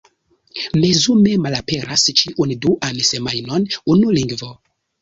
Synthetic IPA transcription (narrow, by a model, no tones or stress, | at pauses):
mezumemalape̞ɾast͡ʃiʔunduʔansemajnonunuliŋɡvo